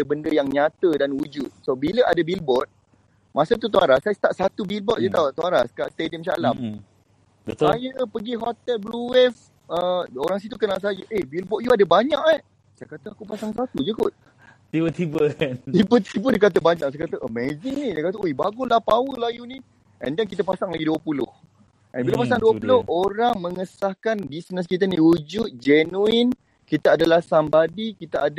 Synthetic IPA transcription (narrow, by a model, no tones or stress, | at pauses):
əbəndəjaŋɲat̪ədanwud͡ʒut̪̚sobiləʔadəbilbɔt̪̚ | masət̪̬ut̪uaɾasajəst̪aʔsat̪ubilbɔt̪̚d͡ʒət̪at̪uaɾaskaʔst̪ediəmsalam | bəajəpəɡiɦɔt̪ɛlbluwɛf | əoɾaŋs̬it̪̬ukənaʔs̬ad͡ʒəʔebilbɔʔ̪̚juadəbaɲãʔa | saja̰kat̪əakupasaŋs̬at̪ud͡ʒəkut̪̚ | t̪ibət̪ibət̪ibət̪ibədikat̪̬əbaɲaʔsajakat̪əʔəmezɪŋnisajkat̪əoibaɡʊlahpawəlajuni | ʔɛ̰ndankit̪əpasaŋlaɡiduəpulʊ̰h | ʔɛ̰nbilapasaŋduəpulʊhoɾaŋməŋəsahkandisnəs̬kit̪anihud͡ʒut̪̚d͡ʒɛnuin | kit̪aadalahsambadikit̪aʔad